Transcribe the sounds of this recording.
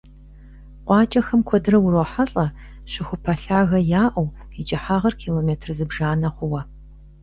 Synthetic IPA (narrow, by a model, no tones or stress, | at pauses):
qʷʼɑːt͡ʃʼɐxɐmkʷʰɔdɨrɐwʊɾoːħɐɬʼɐ | ɕɪxʷʊpʰɐɬaːɣɐjaːʔɐw | it͡ʃʼɪħaːʁɐrkʰiːloːmeːtʰrɨzɨbʒaːnɐχʷʊwɐ